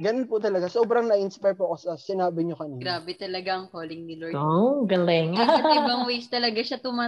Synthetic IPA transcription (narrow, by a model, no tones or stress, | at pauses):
ɡɐnonpʊt̪ɐlɐɡasoːbɾɐŋnɐʔɪnspajpokosɐsɪnaːbɪɲokɐniːɾaːbɛt̪ɐlɐɡaɐŋkoːlɪŋnɪlooɡɐlɛŋbɐŋwist̪ɐlɐɡaʃɐt̪ʊma